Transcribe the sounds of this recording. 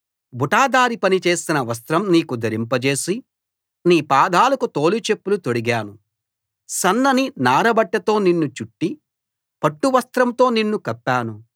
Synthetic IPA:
bʱuʈaːd̪aːɾipɐnit͡ʃe̞ːsinɐʋɐs̬t̪ɾɐmniːkud̪ɐɾimpɐt͡ʃe̞ːsi | niːpaːd̪ʱaːlɐkut̪o̞ːlit͡ʃe̞pːulut̪oɽiɡaːnu | sɐnːɐninaːɾɐbɐʈːɐt̪o̞ːninːut͡ʃuʈːi | pɐʈːuʋɐst̪ɾɐmt̪o̞ːninːukɐpːaːnu

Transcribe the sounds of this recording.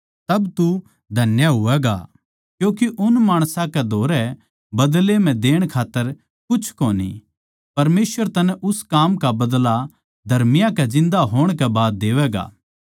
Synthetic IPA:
t̪ɐbt̪u | d̪ʱɐnjaɦʊʋɛːɡa̰ | kjõːkiʔʊnmaːɽ̃sãkɛd̪ʱoːɾɛ | bɐd̪lem̤ɛ̃d̪eːɽ̃kʰaːt̪ːəɾ | kʊt͡ʃʰkoːnḭ | pɐɾmeːsʋəɾt̪ɐnɛ̃ʔʊskaːmkabɐd̪la | d̪ʱɐɾmɪjãkɛzɪ̃nd̪aɦoːɽ̃kɛbaːd̪̚ːeːʋɛɡa̰ː

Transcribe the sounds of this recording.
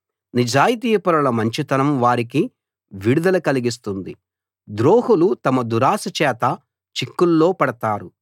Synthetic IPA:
nid͡ʒaːjit̪̬iːpɐɾɐlɐmɐɲt͡ʃit̪ɐnɐmʋaːɾik̬i | ʋiɽud̪ɐlɐkɐliɡis̬t̪und̪i | d̪ɾoːhulut̪ɐmɐd̪uɾaːsɐt͡ʃɛːt̪ɐ | t͡ʃikːulːo̞ːpɐɽɐt̪aːɾu

